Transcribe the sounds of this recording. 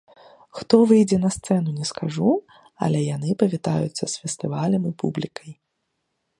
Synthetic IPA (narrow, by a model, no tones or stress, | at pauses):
xt̪ɔvɨjd͡zʲɛnɐst̪sɛn̪unʲɛskaʐu | ɐ̰lʲɛjan̪ɨpɐvʲit̪ajṵt̪sːɐsfʲɛst̪ɨvalʲɐmipṵblʲikʰɐj